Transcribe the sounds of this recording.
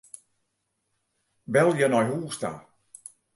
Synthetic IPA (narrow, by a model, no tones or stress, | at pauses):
bɛlˠjənɔjɦuːsta̰